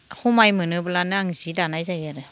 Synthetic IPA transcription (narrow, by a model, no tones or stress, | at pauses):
humajmɯnɯbɯlanɯaŋzidanajzajaɾɯ